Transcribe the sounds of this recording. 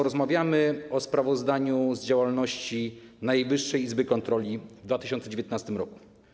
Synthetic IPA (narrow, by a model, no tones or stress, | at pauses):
ɔɾɔzmavʲjamɘɔspɾavɔzd̪aɲuzd͡ʑawalnɔɕt͡ɕinajejvɘʂːɛjizbɘkɔnt̪ɾɔlʲivd̪vat̪ɘɕɔnt̪sɛd͡ʑevʲjɛt̪nast̪ɘmɾɔku̥